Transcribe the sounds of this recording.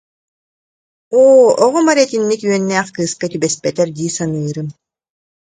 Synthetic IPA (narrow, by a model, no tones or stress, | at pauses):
oːɔʁɔmaɾɛt̪inːikyœnːæːχkɯːskat̪ybɛspɛt̪ɛɾd̪iːsanɯːɾɯm